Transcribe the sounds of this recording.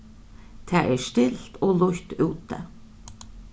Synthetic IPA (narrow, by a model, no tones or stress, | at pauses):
t̪ʰæːʔɛːʂt̪ɪlt̪oːlʊçt̪ʉːt̪ə̰